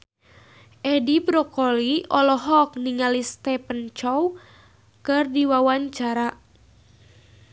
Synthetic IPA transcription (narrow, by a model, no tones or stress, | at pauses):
ʔɛdibɾɔkɔliɔlɔɦɔk̚niŋalist̪ɛpənt͡ʃɔw | kɨrdiwawaɲt͡ʃaɾa